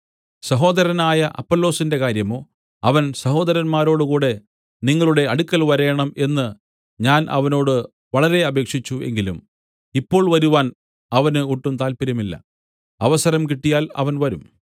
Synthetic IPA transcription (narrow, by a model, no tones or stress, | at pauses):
sɐɦo̞ːd̪ɐɾɐnaːjɐʔɐ̰pːolːo̞ːsinde̞kaːɾjɐmo̞ː | ɐʋɐnsɐɦo̞ːd̪ɐɾɐnmaːɾo̞ːɽɨkuːɽe̞ | niŋːɐɭuɽe̞ɐɽukːɐlʋɐɾe̞ːɳɐme̞nːɨ | ɲaːnʔɐ̰ʋɐno̞ːɽɨ | ʋɐɭɐɾe̞ɐbe̞ːkʂit͡ɕːue̞̰ŋɡilum | ipːo̞ːɭʋɐɾuʋaːn | ɐʋɐnɨuʈːumt̪aːlpiɾɐmilːɐ̰ | ɐʋɐsɐɾɐmkiʈːijaːlɐ̰ʋɐnʋɐɾum